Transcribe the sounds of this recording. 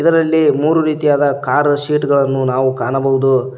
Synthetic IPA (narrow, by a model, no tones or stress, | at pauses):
id̪ɐɾɐlːimuːɾuɾiːt̪ijaːd̪ɐkaːɾʃiːʈɡɐɭɐnːunaːʋukaːɳɐbɐɦud̪u